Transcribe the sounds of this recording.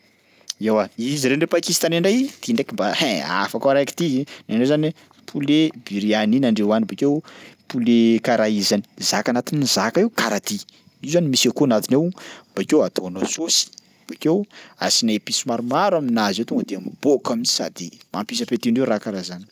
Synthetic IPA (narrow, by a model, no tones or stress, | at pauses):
ewaiziɾenɳɖ͡ʐepakist̪anaɳɖ͡ʐajt̪iɳɖ͡ʐekimbahɛ̃a̰fakaaɾajki̥t̪iinanɖ͡ʐezani | pʰulebiɾianinaɳɖ͡ʐewanibakewpʰulekaɾaizani̥zakanat̪inizakaiwkaɾat̪i | izuzanimisakuanat̪inewb̥akewat̪ʰonasosi̥ | b̥akewa̰sinapisimaɾumaɾaminazewt̪ɔŋɡəd̪eambokaminisa̰d̪ima̰mpis̬apet̪iɳɖ͡ʐeɾakaɾazani̥